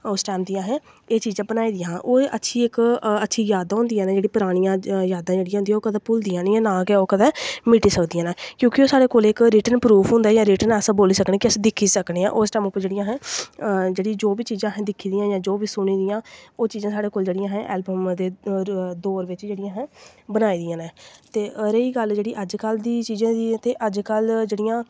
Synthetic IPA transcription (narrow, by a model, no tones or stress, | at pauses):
ʊsʈɛːmd̪ijãːɦɛ̃ː | eːt͡ʃiːzãːbənaːiːd̪ijãːʔoːətːʃʰiːɪkətːʃʰiːjaːd̪ãːɦʊ̃nd̪ijaːnãːd͡ʒeːɽiːpəɾaːɽ̃ijãːjaːd̪ãːd͡ʒeːɽijãːʊnd̪jːoːkəd̪ɛːpʊld̪ijãːniɛ̃ːnãːkɛoːkəd̪ɛːmɪʈiːsəkd̪ijãːnãːkjõːkɪoːsaːɽeːkoːlɪkɾiːʈənpɾuːpʰɦʊ̃ːnd̪aːjãːɾiːʈənɛsãboːliːsəkɽeːkɪəsĩd̪ɪkʰːiːsəkɽeːã̰ːʔʊsʈɛːmʊpːəɾd͡ʒeːɽɪjãːɦɛ̃ː | d͡ʒeːɽiːd͡ʒoːbiːt͡ʃiːzãːɦɛ̃ːd̪ɪkʰːiːd̪ijãːjãːd͡ʒoːbiːsʊɽ̃iːd̪ijãːoːt͡ʃiːzãːsaːɽeːkoːld͡ʒeːɽɪjãːɦɛ̃ʔɛːlbəmd̪eːd̪oːɾʋɪt͡ʃd͡ʒeːɽɪjãːɦɛ̃ːbənaːiːd̪ijãːnɛ̃ːt̪eːəɾeiːɡəld͡ʒeːɽiːʔəd͡ʒkəld̪iːt͡ʃiːzãːd̪it̪eːʔəd͡ʒkəld͡ʒeːɽɪjãː